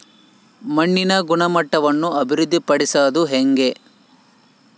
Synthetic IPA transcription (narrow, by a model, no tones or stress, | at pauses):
mɐɳːinɐɡuɳɐmɐʈːɐʋɐnːuɐbʱiɾud̪ʱːipɐɽisaːd̪uɦeŋɡe̞